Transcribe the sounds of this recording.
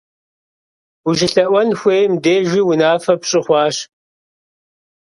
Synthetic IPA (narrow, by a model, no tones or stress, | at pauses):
wuʒɪɬɐʔʷɐnxʷeːjmdeːʒiːwʊnaːfɐpɕʼɪχʷɑːɕ